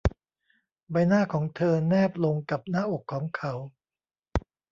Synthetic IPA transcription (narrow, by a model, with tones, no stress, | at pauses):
ba˧jnaː˥˩kʰɔː˩˦ŋt̪ʰɤː˧nɛː˥˩p̚lo˧ŋka˨˩p̚naː˥˩ʔo˨˩kʰːɔː˩˦ŋkʰa˩˦w